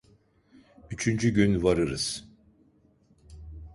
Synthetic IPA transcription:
yt͡ʃʰynd͡ʒyɟynvaɾɯɾɯz̥

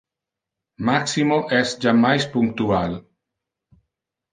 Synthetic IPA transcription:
maksimoʔɛsd͡ʒamːajspuŋk̚t̪ual

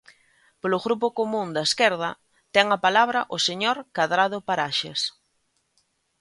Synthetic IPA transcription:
polʊɣɾup̬ʊkomũnd̪ɐeskɛɾð̞ɐ | t̪ɛŋɐpalaβɾɐʔʊseɲoɾkaðɾað̞ʊpaɾaʃḛs

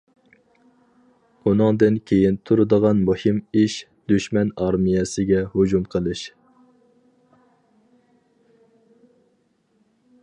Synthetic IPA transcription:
unɨŋd̪ɨnkʲʰejint̪ʰuɾɨd̪əʁɑnmuhimiʃ | d̪yʃmɛnɑɾmijɛsɪɡʲɛhod͡ʒumqʰəlˠɨʃ

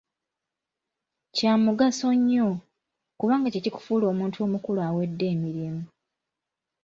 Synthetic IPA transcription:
caːmuɡaso̞ɲːo | kuβaːŋɡaceciku̥fuːlo̞ːmuːntʰuo̞ːmukulwawe̞dːe̞ːmiɾimu

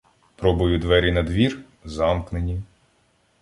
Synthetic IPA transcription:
pɾɔbɔjʊd̪ʋɛɾʲinɐd̪ʋʲir | zɑmknenʲi

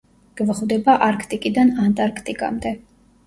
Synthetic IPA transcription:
ɡ̥vχvd̪ɛbaʔaɾkʰt̪ʼikʼid̪anant̪ʼaɾkʰt̪ʼikʼa̰md̪ɛ

